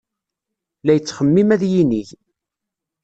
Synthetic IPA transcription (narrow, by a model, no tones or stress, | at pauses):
læjət͡sːχəmːimæðjiniʝ